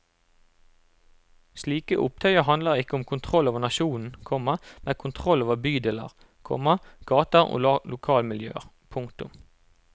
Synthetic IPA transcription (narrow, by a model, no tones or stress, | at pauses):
sliːkəʔʊp̚t̪ʰœʏəhɑnd̪ləʁɪkəʊmkʰʊnt̪ʰʁɔloːʋəʁnɑʃuːn̩kʰɔməmɛkʰʊnt̪ʰʁɔloːʋəbyːd̪ɛlə̰ʁ | kʰɔ̰mɑɡ̥ɑːt̪əʁo̰ːlɑːlʊkʰɑːlmɪljø̰ːʁ | pʰʊŋkt̪ʊ̰m